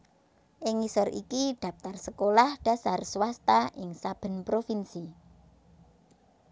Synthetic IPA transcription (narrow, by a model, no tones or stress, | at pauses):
ʔɪŋisɔrʔḭkiɖ̥a̤p̚t̪arsəkolahɖ̥a̤sarswast̪aʔɪŋsab̥ə̤npɾofinsi